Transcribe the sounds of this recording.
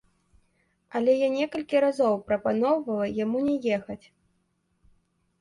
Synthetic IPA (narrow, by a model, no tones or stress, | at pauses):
ɐlʲɛjanʲɛkɐlʲkʲiɾazɔwpɾɐpanɔwvɐlˠɐjamunʲɛjɛxɐt͡sʲ